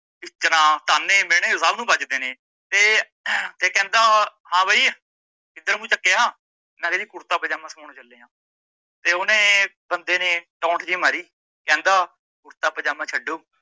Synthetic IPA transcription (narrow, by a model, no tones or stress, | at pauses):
ɪt͡ʃːnaːt̪aːnẽːmeːɽ̃ẽːʊsaːbnũːbəd͡ʒd̪eːnẽː | t̪eː | t̪eːkɛ̃ːnd̪aːhãːbaiː | ɪd̪əɾmũːt͡ʃəkːɪjaː | nɛ̃ːkeːiːkʊɾt̪aːpəd͡ʒaːmãːsəmaːɽ̃õːt͡ʃəlːeːãː | t̪eːʊnẽːbənd̪eːnẽːʈaːɳʈʰd͡ʒiːmaːɾiː | kɛ̃ːnd̪aː | kʊɾt̪aːpəd͡ʒaːmãːt͡ʃʰəɖoː